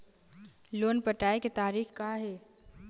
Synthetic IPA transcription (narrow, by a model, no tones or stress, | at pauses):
loːnpəʈaːeket̪aːɾiːxkaːɦeː